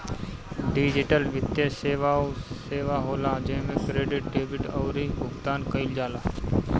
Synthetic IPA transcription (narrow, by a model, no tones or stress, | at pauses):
ɖiːd͡ʒɪʈəlʋɪt̪jəseːʋaːseːʋaːɦoːlaːd͡ʒeɦmẽkɾeːɖɪʈ̚ɖeːbɪʈɔːɾibʊɡt̪aːnkəɪld͡ʒaːlaː